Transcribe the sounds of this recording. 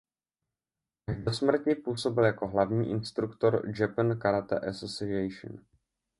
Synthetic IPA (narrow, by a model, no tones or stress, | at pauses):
aʒdosmɾ̩cɪpuːso̞bɪljako̞ɦlavɲiːʔɪnst̪ɾukt̪o̞ɾd͡ʒɛpnkaɾat̪ɛ̰ʔɛsosɪɛjʃə̰n